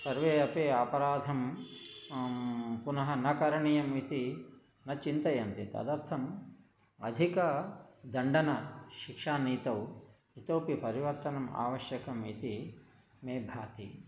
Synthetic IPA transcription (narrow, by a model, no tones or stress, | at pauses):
sɐɾʋeːɐpeːɐpɐɾaːd̪ʱɐm | punɐɦɐnɐkɐɾɐɳijɐmit̪i | nɐt͡ʃint̪ɐjɐnt̪it̪ɐ̰d̪ɐɾt̪ʰɐm | ɐ̰d̪ʱikɐd̪ɐɳɖɐnɐʃikʂaːniːt̪ɐw | it̪ɐwpipɐɾiʋɐɾt̪ɐnɐma̰ːʋɐʃjɐkɐmit̪i | meːbʱaːt̪ḭ